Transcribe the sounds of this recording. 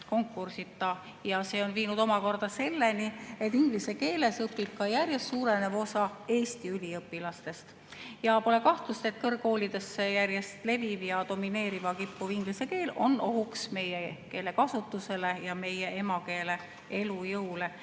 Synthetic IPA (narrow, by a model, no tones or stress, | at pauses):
ko̞ŋkːˑursit̪ːˑɑ | jɑse̞ːo̞nviːnud̪̥omɑko̞rd̪̥ɑse̞lːe̞nie̞t̪ːiŋɡ̥lise̞ke̞ːle̞sɤpːˑip̚kɑjærjest̪suːɾe̞ne̞vo̞sɑe̞ːst̪iylʲiɤpːˑilɑst̪e̞st̪ | jɑpo̞le̞kɑht̪lust̪e̞t̪̚ːˑkɤrɡo̞ːlid̪̥e̞sːejærjest̪le̞vivjɑd̪o̞mine̞ːɾivɑkipːuviŋɡ̥liseke̞ːlo̞̰no̞ɦuksme̞jeke̞ːle̞kɑsut̪ːuse̞le̞jɑme̞jee̞mɑke̞ːle | e̞lujɤwle̞